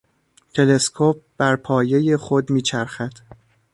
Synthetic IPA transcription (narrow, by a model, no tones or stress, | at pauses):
t̪ʰe̞le̞skʰop̚b̥æɾpʰɒːje̞jexod̪miːt͡ʃʰæɾxæd̪̥